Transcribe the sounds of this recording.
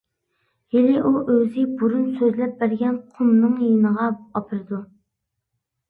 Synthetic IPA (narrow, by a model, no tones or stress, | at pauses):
helɪʔuʔøzɪbuɾunsøzlɛp̚bæɾɡʲɛnqʰʊmnɨŋjenəʁɑɑpʰɨɾɨd̪u